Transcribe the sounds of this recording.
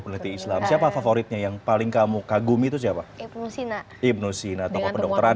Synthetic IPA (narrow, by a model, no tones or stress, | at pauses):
punlit̪iːslamsiapafafoɾit̪̚ɲajaŋpalɪŋkamukaɡumit̪us̬iapaibusna | ib̚nusinat̪awkapədɔk̚t̪əɾa